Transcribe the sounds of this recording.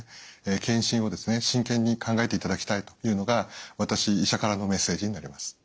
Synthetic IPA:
eːkʰẽɰ̃ɕĩɰ̃o̞d̪e̞sɨne̞ɕĩŋkẽ̞ɲ̟ːikʰãŋɡae̞t̪e̞it̪ad̪akʲi̥t̪ait̪o̞jɯ̟ːno̞ɡaβat̪aɕiːɕakaɾano̞me̞sːe̞ːd͡ʑiɲ̟inaɾʲimasɨ̥

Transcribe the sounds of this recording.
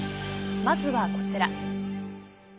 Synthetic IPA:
mazɨβako̞t͡ɕiɾa

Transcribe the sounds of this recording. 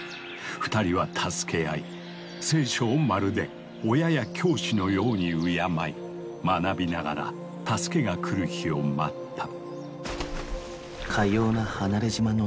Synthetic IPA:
ɸɯ̟̥t̪aɾʲiβat̪ʰasɨ̥ke̞ai | se̞ːɕo̞ːmaɾɯ̟d̪e̞ | ojajakʲʰo̞ːɕino̞jo̞ːɲ̟iɯjamai | manabʲinaɡa̰ɾa̰ | t̪asɨ̥ke̞ɡakʰɯ̟ɾɯ̟çio̞ma̰t̪ːḁ | kʰaio̞ːnahanaɾeʑimano

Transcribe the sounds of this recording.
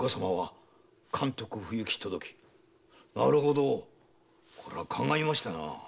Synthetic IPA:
kosamaβa | kʰãnt̪o̞kɯ̟ɸɯ̟jɯ̟kʲi̥t̪od̪o̞kʲi̥ | naɾɯ̟ɦo̞d̪o | kʰo̞ɾḛβakʰãŋɡaimaɕi̥t̪ana̰

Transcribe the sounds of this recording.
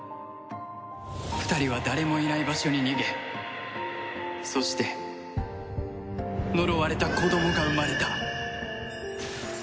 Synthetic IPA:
ɸɯ̟̥t̪aɾʲiβad̪aɾe̞mo̞inaibaɕo̞ɲ̟iɲiɡe̞ | so̞ɕi̥t̪e̞ | no̞ɾoβaɾe̞t̪ako̞d̪o̞mo̞ɡaɯmaɾe̞t̪a

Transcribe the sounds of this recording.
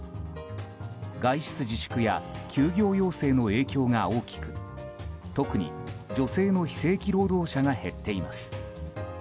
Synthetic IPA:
ɡaiɕɨ̥t͡sɨd͡ʑiɕɨ̥kɯ̟ja̰kʲʰɨːɡʲo̞ːjo̞ːse̞ːno̞e̞ːkʲo̞ːŋao̞ːkʲi̥kɯ̟ | t̪o̞kɯ̟ɲ̟ḭd͡ʑo̞se̞ːno̞çi̥se̞ːkʲiɾo̞ːd̪o̞ːɕaɡahe̞t̪ʰːe̞ima̰sɨ̥

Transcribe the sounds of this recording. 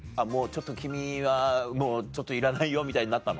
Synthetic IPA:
amo̞ːt͡ɕo̞t̪ːo̞kʲimʲiβamo̞ːt͡ɕo̞t̪ːoiɾanaijo̞mʲit̪aiɲ̟inat̪ːano

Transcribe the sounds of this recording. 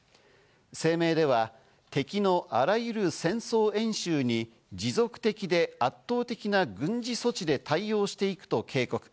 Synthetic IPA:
se̞ːme̞ːd̪e̞β̞a | t̪e̞kʲino̞ʔaɾajɯ̟ɾɯ̟sẽ̞ɰ̃so̞ːẽ̞ɰ̃ɕɨːɲ̟i | d͡ʑizo̞kɯ̟̥t̪e̞kʲid̪e̞at̪ːo̞ːt̪e̞kʲinaɡɯ̟̃ɲd͡ʑiso̞t͡ɕid̪e̞t̪ʰaio̞ːɕi̥t̪e̞ikɯ̟̥t̪o̞kʰe̞ːko̞kɯ̥

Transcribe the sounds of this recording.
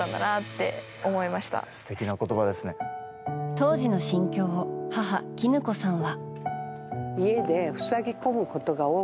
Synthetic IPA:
ãnd̪a̰nat̪ːe̞̰ | omo̞imaɕi̥t̪a̰sɨ̥t̪e̞kʲinako̞t̪o̞bad̪e̞sɨne̞ | t̪o̞ːʑino̞ɕĩŋkʲo̞ːhaɦa̰kʲinɯ̟ko̞sãɰ̃βa | ie̞d̪e̞ɸɯ̟̥saɡʲiko̞mɯ̟ko̞t̪o̞ɡao̞ː

